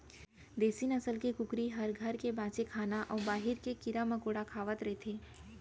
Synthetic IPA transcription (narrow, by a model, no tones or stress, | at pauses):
d̪eːsinɐsəlkekʊkɾiɦɐɾɡʱɐɾkebãːt͡ʃekʰaːnaʔɔːɾbaːɦɪɾkekɪɾamɐkoːɽakʰaːʋət̪ɾɐɦet̪ʰeː